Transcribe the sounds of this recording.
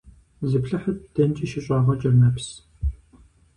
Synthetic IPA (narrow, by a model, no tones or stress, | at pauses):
zɨpɬɨħɐt̚d̥ɐnt͡ʃʼiʃɪɕʼɑːʁɐt͡ʃʼɐrnɐps